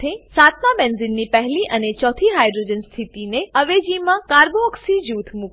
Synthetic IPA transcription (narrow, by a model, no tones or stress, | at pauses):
esat̪mabenzinːipəɦliʔənet͡ʃɔt̪ʰiɦajdɾod͡ʒənst̪ʰit̪ineəʋed͡ʒimãkaɾboəksid͡ʒut̪ʰmuk